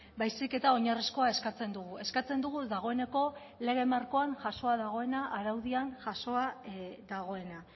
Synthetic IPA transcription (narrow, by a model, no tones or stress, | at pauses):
bajsike̞t̪ao̞ɲarisko̞ae̞skat͡se̞nd̪uɣue̞skat͡se̞nd̪uɣuðaɣ̞o̞e̞ne̞ko̞ | le̞ɣ̞e̞maɾko̞anʝaso̞aðaɣ̞o̞e̞naʔaɾawðianʝaso̞aðaɣ̞o̞e̞na